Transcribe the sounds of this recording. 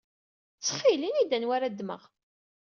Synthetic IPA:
t͡sːχilinid̪ænwaɾad̪mə̰ʁ

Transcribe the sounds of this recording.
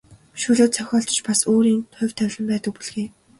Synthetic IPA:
ʃuːɮoːt̪t͡sʰœxʲɔːɬt͡ɕ̆t͡ɕpasoːɾiːnt̪ʰʊ̟wʲt̪ʰæwʲɮə̆mpæːt̪ə̆k̚puɮxeː

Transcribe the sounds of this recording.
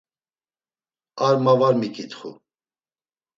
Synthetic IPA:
aɾmavaɾmikʰʼit̪χṵ

